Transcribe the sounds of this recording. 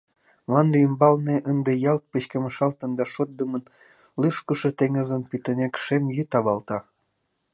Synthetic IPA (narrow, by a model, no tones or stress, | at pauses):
mlɑnd̪ymbɑlneʔənd̪ĕjɑlt̪̚pet͡ɕkeməʃɑlt̪ə̆nd̪ɑʃot̪̚d̪əmən | lyʃkəʃɤ̆t̪eŋəzə̆mpyt̪ə̆nʲekʃemjyt̪ɑβɑlt̪ɑ